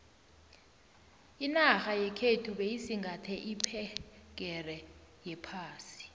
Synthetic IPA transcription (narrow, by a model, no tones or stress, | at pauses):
inaxajɛkʰetʰuɓejisiŋɡʱatʰɛʔipʰɛk̬ʼɛrɛjɛpʰaːsi̥